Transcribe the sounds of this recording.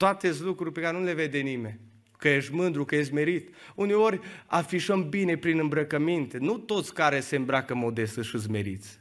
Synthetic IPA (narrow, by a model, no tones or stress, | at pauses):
t̪oat̪eslukɾurʲpekaɾenule̞ved̪enimenʲ | kəjeʃt̪mɨnd̪ɾukəjeʃt̪ʲme̞ɾit̪uneo̞rʲafiʃəmbine̞pɾinɨmbɾəkəmint̪enut̪o̞t̪sʲkaɾesembɾakəmo̞d̪e̞st̪əʃɨs̬meɾḭt̪sʲ